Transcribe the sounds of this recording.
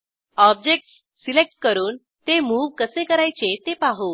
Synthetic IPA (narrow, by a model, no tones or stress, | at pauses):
ɔb̚d͡ʑek̚ʈsːilek̚ʈ̚kəɾuːn | t̪emuːʋkəsekəɾajt͡ɕet̪epaɦuʋ